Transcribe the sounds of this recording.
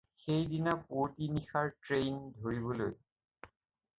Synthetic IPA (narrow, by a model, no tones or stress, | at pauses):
xejdinapotinixaɹʈɹejndʱoɹiβoloj